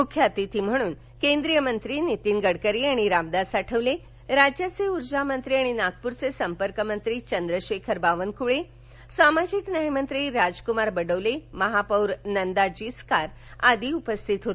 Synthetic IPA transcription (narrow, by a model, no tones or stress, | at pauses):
mukʰːjat̪it̪ʰim̤əɽ̃uːn | kẽnd̪ɾijəmənt̪ɾinit̪inɡəɽkəɾiaɽ̃iɾabd̪asaʈʰəʋle | ɾad͡ʑjat͡seuɾd͡ʑamənt̪ɾiaɽ̃inak̚puɾt͡sesəmpəɾkəmənt̪ɾit͡ɕənd̪ɾəɕekʰəɾbaʋənkuɭe | samad͡ʑiknəɦjmənt̪ɾiɾad͡ʑkumaɾbəɽəʋleməɦapəwɾnənd̪ad͡ʑiskaɾ | ad̪iupəst̪ʰit̪ɦot̪